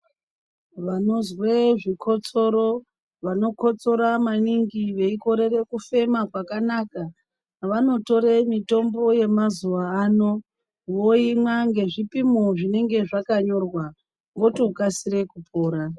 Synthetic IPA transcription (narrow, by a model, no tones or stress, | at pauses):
ʋano̞zweʐikʰo̞t͡so̞ɾo̞ | ʋano̞ko̞t͡so̞ɾamaniŋɡiʋe̞iko̞ɾe̞re̞kufe̞makwakanaka | ʋano̞to̞ɾemito̞mbo̞je̞mazuʋaːno̞ | ʋoimwaŋɡe̞ʐipimoʐine̞ŋɡe̞ʐakaɲo̞rwa | ŋɡo̞to̞kasire̞kupʰo̞ːɾa